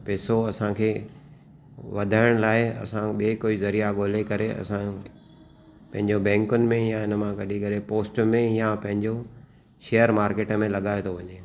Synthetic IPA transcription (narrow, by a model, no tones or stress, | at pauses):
peːsoɐsãkʰeː | ʋɐd̪ʱaːɪɽ̃laːɪɐ̰sãɓekoːizɐɾijaɠoːlekɐɾeɐ̰sã | pɐ̃ɦɪ̃ɲd͡ʑobɛ̃ːŋkʊnɪ̆mẽjãɪnə̆mãɡɐɗʱikɐɾepoːsʈmẽjapɐ̃ɦɪ̃ɲd͡ʑo | ʃeːjəɾmaːɾkeːʈəmẽlɐɠaːẽt̪ʰoʋɐɲeː